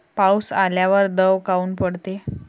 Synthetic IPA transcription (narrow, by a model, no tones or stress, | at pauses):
pawsaljaʋəɾd̪əʋkauːnpəɽt̪e